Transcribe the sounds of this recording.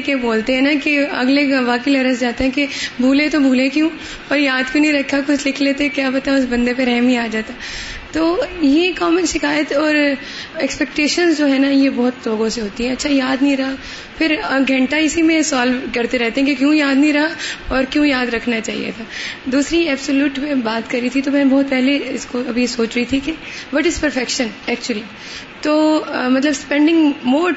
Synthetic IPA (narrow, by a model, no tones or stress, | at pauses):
keboːlt̪eɦɛ̃nakeɐ̰ɡleʋaːkeilɐɾəs̬d͡ʒaːt̪eɦɛ̃kebʱuːlet̪obʱuːlekjũː | pɐɾjaːd̪kjũːnɐĩɾɐkʰːakʊt͡ʃʰlɪkʰleːt̪eɛkjaːpɐt̪aʊsbɐ̃nd̪ep̬eɾɛɦmiaːd͡ʒaːt̪at̪oːjekɔːmənʃɪkaːjət̪ɔːɾ | ɛkspɛk̚ʈeːʃənzd͡ʒoːɦɛːnajebɔːʊt̪loːɡõseɦoːt̪iɦɛ̃ɐtːʃʰajaːd̪nɦĩɾɐɦa | fʰɪɾɡʱɐ̃ɳʈaɪsimẽsaːlʋkɐɾt̪eɾɛɦt̪eɦɛ̃kĩkjõjaːd̪nɐĩɾɐɦaɔːɾkjõːjaːd̪ɾɐkʰnat͡ʃaːɦḭjḛt̪ʰaːd̪uːsɾiɛːbsoljuːʈmẽbaːt̪kɐɾːit̪ʰit̪omɛ̃ːbɔːt̪̚pɛɦleɪskoɐbʱijesoːt͡ʃɾɐɦit̪ʰike | bɐʈɪspɐɾfɛkʃə̃nɛːkt͡ʃuəli | t̪oːmɐt̪̬ləbspɛ̃ːɳɖɪ̃ŋɡmoː